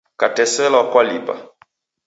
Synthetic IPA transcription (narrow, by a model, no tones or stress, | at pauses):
katɛsɛlakwalipa̰